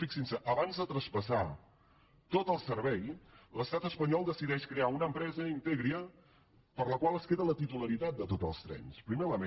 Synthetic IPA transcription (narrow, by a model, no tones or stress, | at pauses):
fiksinsəʔəβanzðət̪ɾəspəsa | t̪ot̪əlˠsəɾβɛjləst̪at̪əspəɲɔlˠd̪əsiðɛʃkɾeaunəmpɾɛzəint̪eɣɾiə | pəɾləkwalˠəskeðələt̪it̪uləɾit̪at̪̚d̪ət̪ot̪əlˠst̪ɾɛ̰nspɾimeləme